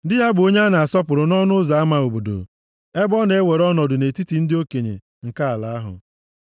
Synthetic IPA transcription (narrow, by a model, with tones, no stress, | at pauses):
dɪ˦ja˦bʊ˨o˦ɲe˦na˨a˨sɔ˦pʊ˨ɾʊ˨nɔ˦nʊ˦za˨a˦ma˨o˨bo˨do̰˨ | e˦bɔ˦ne˨e˦we˨ɾɔ˦nɔ˨dʊ˨ne˨ti˦ti˨n̩˦dɪ˦o˦ke˨ɲḛ˨ | ŋ̩˨ka˦a˨la˨a˦ɦʊ̰˨